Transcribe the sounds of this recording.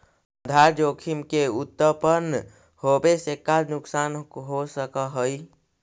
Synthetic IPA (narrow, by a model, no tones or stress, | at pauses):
əd̪ʱaɾd͡ʒokʰimkeut̪ːəpəɾn | hobesekːalnʊksaːnɦosəkəɦəi